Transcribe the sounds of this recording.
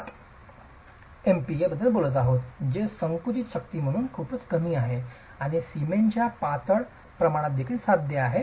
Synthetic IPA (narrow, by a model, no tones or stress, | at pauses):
empiebəd̪ʱːəlbolət̪aɦot̪d͡ʑesəŋkut͡ɕiɕʰək̚t̪iːm̤əɽ̃uːnkʰuːpət͡skəmiːaɦe | aɽ̃isiment͡ɕjapat̪əɭ | pɾəmaɽ̃at̪̚d̪ekʰiːlsad̪ʱjəaɦe